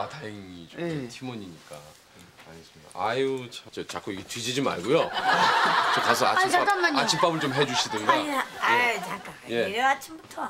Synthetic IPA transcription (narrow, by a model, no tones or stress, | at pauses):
atajeŋit͡ɕotʰimoɲiɲik͈a | aɲis͈ɯmida̰ajut͡ɕʰat͡ɕet͡ɕak͈oiɡetɥid͡ʑid͡ʑima̰ɭɡojo | t͡ɕokasʰʌa̰aaaat͡ɕʰip͈abɯɭt͡ɕomɦe̞d͡ʑuɕʰidɯnɡaaeak | je̞at͡ɕʰimbutʰʌ